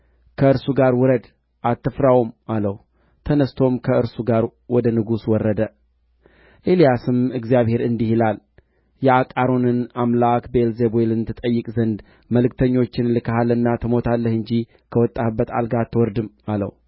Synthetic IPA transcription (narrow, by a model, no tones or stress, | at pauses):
kʰəɨɾsuɡaɾwɔɾəd̪ | ʔat̪ʰːɨfɾawmaləw | t̪ʰənəst̪ʰo̞mkʰəɨɾsuɡaɾwɔd̪ənɨɡuswɔrːəd̪ə | ʔelijasɨmɨɡzijaβhe̞ɾɨnd̪ihilal | jɛakʼaɾo̞nɨnamlakbe̞lzebelɨnt̪ʰɨt̪ʼəjːɨkʼzənd̪ | məlɨk̚t̪ʰəɲːo̞t͡ʃːɪnlɨkʰəhalɨnːat̪ʰɨmo̞t̪ʰalːəhɨɲd͡ʒi | kʰəwɔt̪ʼːabːət̪a̰lɡat̪ʰːɨwɔɾd̪ɨmalə̰w